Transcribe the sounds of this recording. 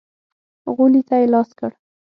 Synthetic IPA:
ɣulit̪ajelɑskəɽ

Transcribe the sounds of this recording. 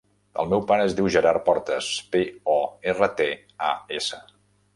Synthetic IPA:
ə̰lˠmɛwpaɾəːzðiwʒəɾaɾpɔɾt̪əspeɔerət̪e | a̰esə

